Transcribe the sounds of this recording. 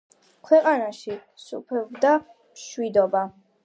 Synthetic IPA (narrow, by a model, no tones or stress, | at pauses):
kʰwɛqʼanaʃisṵpʰɛbd̪a | mʃwid̪ɔba